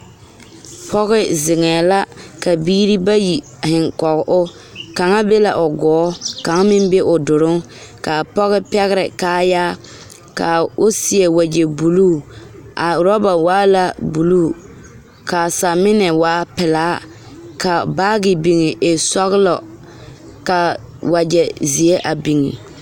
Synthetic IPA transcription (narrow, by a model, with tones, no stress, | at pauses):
pʰɔ˦ɣɪ˦zɪ˨ŋɛː˨la˦ka˨biː˦ɾi˦ba˦ji˨ | hɪ˨ŋkɔ˨ɣɪ˨ʔʊ˦ | ka˨ŋa˦be˦la˨ʔʊ˨ɡɔː˨˦ka˨ŋa˦mɪ˦nbe˦ʔʊ˨dʊ˨ɾʊ˦ŋ | ka˨pɔ˦ɣɪ˦pɛ˦ɣɪ˦ɾɪ˨kaː˦jaː˦ | ka˨ʊ˦si˨e˨wa˨d͡ʒɛ˨bu˨luː˦˨ʔa˨ɾɔ˦ba˨waː˦la˦bu˨luː˦˨ | ka˨sa˨mɪ˦nɛ˨waː˨˦pɪ˨laː˦ | ka˨baː˦ɡɪ˨bi˨ŋɪ˨ʔe˨sɔ˦ɣɪ˦lɔ˨ | ka˨ | wa˨d͡ʒɛ˨zi˨e˦ʔa˨bi˨ŋḭ˨